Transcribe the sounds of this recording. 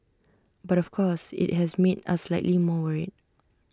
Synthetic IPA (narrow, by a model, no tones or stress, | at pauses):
baɾɔfkʰɔsɪ̰t̚hɛsmeda̰slaɪʔlimɔwɛɹid̚